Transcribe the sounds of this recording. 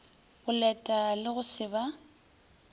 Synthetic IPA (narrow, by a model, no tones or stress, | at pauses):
bʊlɛtʼalɪɣʊsɪba